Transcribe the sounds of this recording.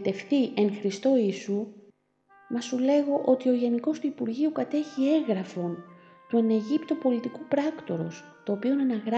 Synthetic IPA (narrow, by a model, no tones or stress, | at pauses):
t̪e̞fθiʔe̞ŋxɾist̪o̞isu | mɐsule̞ɣo̞ʔo̞t̪io̞ʝe̞niko̞st̪uipuɾʝiukɐt̪e̞çie̞ɣɾɐfo̞n | t̪ueneʝipt̪opo̞lit̪ikupɾɐkt̪o̞ɾo̞̰s | t̪o̞ːpio̞nɐnɐɣɾɐ